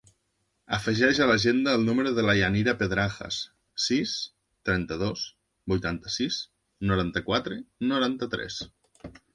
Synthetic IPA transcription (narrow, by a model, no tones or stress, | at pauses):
əfəʒɛʒalaʒend̪aːlˠnuməɾoðəlajaniɾapeðɾaxə̰s | sis | t̪ɾɛnt̪əðos | bujt̪ant̪əsiz | noɾant̪əkwat̪ɾenoɾant̪ət̪ɾɛ̰s